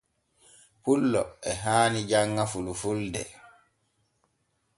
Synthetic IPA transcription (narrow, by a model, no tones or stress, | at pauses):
pulːɔɛɦaːnid͡ʒaŋːafulufuldɛ̰